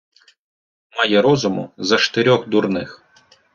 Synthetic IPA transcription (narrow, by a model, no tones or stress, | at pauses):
mɑjɛɾɔzʊmʊ̰zɐʃt̪eɾʲɔxd̪urnɪx